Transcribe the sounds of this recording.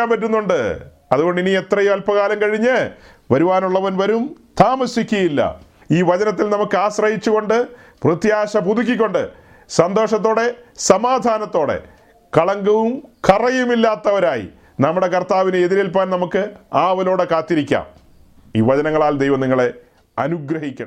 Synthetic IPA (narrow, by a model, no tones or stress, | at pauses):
aːmpɐʈ̬ːunːuɳɖɨ | ɐðuɣo̞ɳɖiniet̪rɐjumɐlpɐɣaːlɐmkɐɻiɲːɨ | ʋɐɾuʋaːnuɭːɐʋɐnʋɐɾumt̪ʰaːmɐsikʲːuɐjilːɐ̰ | iːʋɐd͡ʑɐnɐt̪ːilnɐmukːɨaːɕrɐjit͡ɕːuɣo̞ɳɖɨprɨt̪jaːɕɐpud̪ʱuk̬ʲːik̬ʲːo̞ɳɖɨ̰ | sɐnd̪o̞ːʂɐt̪ːo̞ːɽe̞sɐmaːd̪ʱaːnɐt̪ːo̞ːɽe̞̰ | kɐɭɐŋɡɐʋumkɐrɐjumilːaːt̪ːɐʋɐɾaːjḭ | nɐmːuɽe̞kɐrt̪aːʋinɨeðiɾelpaːnnɐmukːɨaːʋɐlo̞ːɽe̞kaːt̪ːiɾikʲːa̰ːm | iːʋɐd͡ʑɐnɐŋːɐɭaːld̪ejʋɐmniŋːɐɭe̞ | ɐ̰nuɡɾɐɦikʲːɐ̰ɳɐ